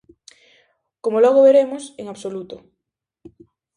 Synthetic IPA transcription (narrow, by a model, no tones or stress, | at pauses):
komolɔɣ̞oβeɾemoseŋaβsolut̪o